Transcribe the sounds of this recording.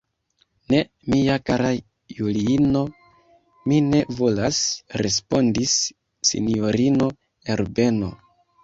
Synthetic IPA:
ne̞ | miakaɾa | juliino̞ | mine̞vo̞lasɾe̞spo̞ndisː | ḭnio̞ɾino̞ | eɾbe̞no̞̰

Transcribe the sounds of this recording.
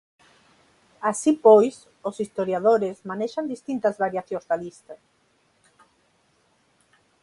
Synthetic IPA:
asipojs | osist̪oɾjaðoɾezmaneʃand̪ist̪int̪ɐzβaɾjaθjõzðalist̪ɐ

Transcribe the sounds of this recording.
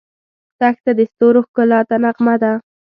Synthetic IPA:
t̪axt̪ad̪əst̪oɾoxkʊlɑt̪anaqmad̪a

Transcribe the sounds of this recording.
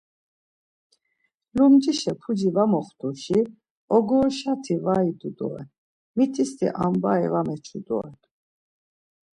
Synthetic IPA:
lumd͡ʒiʃɛpʰud͡ʒivamɔχt̪ʰʼuʃi | ɔɡɔʃat̪ʰivaid̪ud̪ɔ̰ɛ̰ | mit̪ʰist̪ʰḭʔa̰mbaɛvamɛt͡ʃʰud̪ɔ̰ɛ

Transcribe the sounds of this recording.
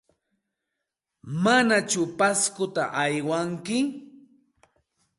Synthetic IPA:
manat͡ʃʊpaskʊt̪a̰ʔajwaŋkɪ

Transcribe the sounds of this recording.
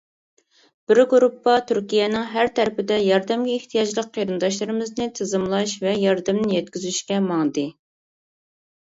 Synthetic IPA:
b̥ɪɾɡuɾupːɑt̪ʰyɾkʲijɛnɪŋɦæɾt̪ʰæɾɪpɪd̪ɛjɑɾd̪ɛmɡʲɛiht̪ʰijɑd͡ʒlˠəqʰːeɾɨnd̪ɑʃlˠɨɾɨmɪznɨt̪ʰɨzɨmlˠɑʃvɛjɑɾd̪ɨmnɪjɛt̪̚kʲyzyʃkʲɛmɑŋd̪ɨ

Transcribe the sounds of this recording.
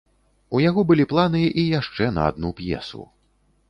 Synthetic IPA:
ujaɣɔbɨlʲiplˠanɨʔijaʂt͡ʂɛnɐ̰a̰d̪̚nupjɛ̰sṵ

